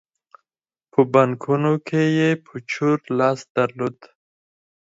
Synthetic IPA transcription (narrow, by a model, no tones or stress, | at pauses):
pʰəbaŋkʰunokʰejepʰət͡ʃʰuɾlɑsd̪̥aɾlod̪